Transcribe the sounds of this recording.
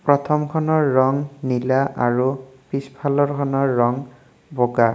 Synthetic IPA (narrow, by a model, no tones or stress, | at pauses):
pɹɔt̪ʰɔmkʰɔnɔɹːɔŋnilaʔaɹupispʰalɔɹkʰɔnɔɹːɔŋ | boɡa